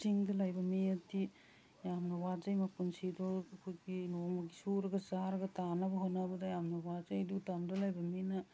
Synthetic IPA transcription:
siŋdɐlajbɐmiatːi | jamnɐwad͡ʒajmakunsidoɐkʰojɡinomɐɡisuɾɐɡɐzaɾɐɡɐtanɐbɐɦonabɐdajamnɐwad͡ʒajdutamdɐlajbɐmina

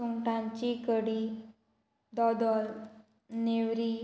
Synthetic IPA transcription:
uŋʈãɲt͡ɕikəɽi | d̪ɔd̪ɔl | newɾi

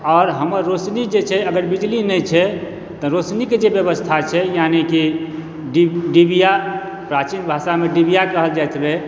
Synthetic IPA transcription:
ɔːɾɦəməɾːosnid͡ʒet͡ʃʰɛəɡəɾbid͡ʒlinɛt͡ʃʰɛ | t̪ɔɾosniked͡ʒebjəβəst̪ʰat͡ʃʰɛjaniki | ɖɖibija | pɾat͡ʃinbʱasameɖibijakəɦəld͡ʒajt̪ʰbɛ

